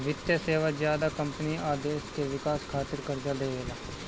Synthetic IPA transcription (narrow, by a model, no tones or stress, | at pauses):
ʋɪt̪jaseːʋaːzjaːd̪aːkəmpəniːaːd̪eːʃkeːʋɪkaːskʰaːt̪əɾkəɾd͡ʒaːd̪eːeːɡaː